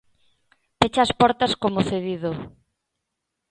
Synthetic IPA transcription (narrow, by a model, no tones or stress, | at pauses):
pet͡ʃɐːspɔɾt̪ɐskomoθeðiðo